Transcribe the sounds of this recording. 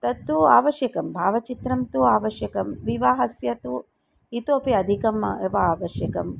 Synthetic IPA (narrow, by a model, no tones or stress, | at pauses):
t̪ɐt̪ːuaːʋɐʃjɐkɐmbʱaːʋɐt͡ʃit̪ɾɐmt̪uaːʋɐʃjɐkɐmʋiʋaːɦɐsjɐt̪u | it̪oːpiɐd̪ʱikɐm̰eʋɐaːʋɐʃjɐkɐm